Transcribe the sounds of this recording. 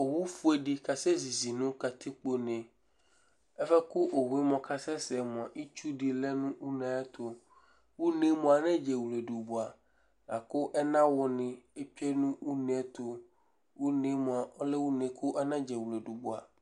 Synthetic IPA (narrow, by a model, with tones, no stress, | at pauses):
o˨wu˦fu˦e˨di˨ka˨sɛ˦zi˨zi˨nʊ̃˦ka˨t̪ʰɪ˦k͡po˦nɛ̃˨ | ɛ˦fɛ˦kʊ˦ʔo˨ɦu˦i˦mɔ̃˨kʰa˦sɛ˦sɛ˨mʊ̃˨a˨ʔi˦t͡ʃu˦di˨lɛ˦nʊ̃˦u˦nã˨˦ɛ˦t̪ʰo˨ | wu˦nẽ˦mʊ̃˨a˨nɛ̃˦d͡ʒɛ˨wu˨le˨du˨bu˨a˨ | la˨kʊ˦ʔɛ˦nã˦wɔ˨nɪ̃˨e˦pi˦ɛ˦nũ˦u˦nẽ˨˦ɛ˦t̪ʊ˨ | wu˦nẽ˦mʊ̃˨a˨ɔ˦lɛ˦wu˦nẽ˨˦kʰʊ˦ʔɛ˦nã˦d͡ʒɛ˨wu˨le˨du˨bu˨a̰˨